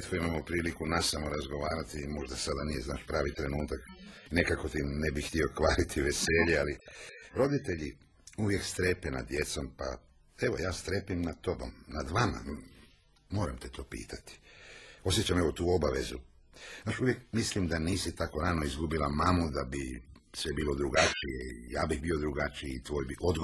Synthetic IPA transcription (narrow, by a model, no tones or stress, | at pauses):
t̪koimamopɾiːlikunasamoɾazɡo̞ʋaːɾat̪imo̞ʒd̪asad̪anije̞znaːʃpɾaːʋit̪ɾe̞nuːt̪aknekako̞t̪inebixt̪io̞kʋaːɾit̪ʰiʋe̞se̞ːʎealiɾo̞d̪it̪e̞ʎi | uʋje̞kst̪ɾe̞pena̰d̪je̞t̪so̞mpa̰ | e̞ʋo̞̰jaːst̪ɾepimnat̪o̞bo̞̰mnad̪ʋama̰ | mo̞ːɾamt̪et̪o̞ːpḭːt̪ʰat̪i̥o̞sjet͡ɕame̞ʋot̪uːo̞baʋḛzu | naːt͡ʃuʋjekmislimd̪aniːsit̪akoɾaːno̞izɡubilamamud̪abisʋebiːlo̞d̪ɾuɡat͡ʃijeijaːbiɣbio̞d̪ɾuɡat͡ʃiit̪ʋoːjbiʔo̞d̪ɡ